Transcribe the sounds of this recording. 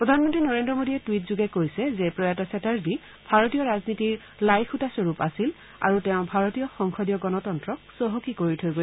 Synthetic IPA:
pɹɔdʱanmɔntɹinɔɹendɹɔmodiɛtwitzuɡɛkojsɛzɛpɹɔjatɔsɛtaɹbi | b̥ʱaɹotijɔɹaznitiɹ | lajxutasɔɹupasil | a̰ɹutɛʊ̃bʱaɹɔtijɔxɔŋxʰɔdijɔɡɔnɔtɔntɹɔk̚sɔɦokikoɹitʰojɡo

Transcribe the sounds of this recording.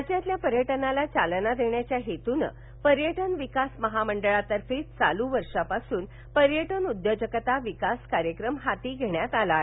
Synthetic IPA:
ət͡ɕjãt̪ljapəɾjəʈənalat͡salnad̪eɳjat͡ɕjaɦet̪unə̰ | pəɾjəʈənʋikasməɦaməɳɖəɭat̪əɾfiːt͡sa̰luʋəɾʂapasuːn | pəɾjəʈənud̪jod͡ʑəkət̪aʋikaskaɾjəkɾəmɦat̪iːɡʱeɳjat̪ala

